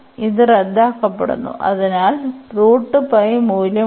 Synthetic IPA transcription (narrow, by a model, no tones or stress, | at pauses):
iðɨred̪ːaːkːɐpːḛɽṵnːṵʔɐ̰ðinaːlruːʈːɨpɐjmuːljɐ